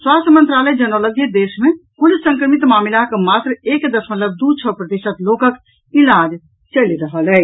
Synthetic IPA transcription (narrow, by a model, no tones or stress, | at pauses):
swast̪ʰəmənt̪ɾaləd͡ʒənɔləɡid̪esmekulissə̃ŋkɾəmit̪mamilaɦkemat̪ɾekd̪əsmə̃nləɾd̪ut͡ʃʰəpɾət̪isət̪lokək | ilad͡ʒ | t͡ʃəliɾəɦəlɛ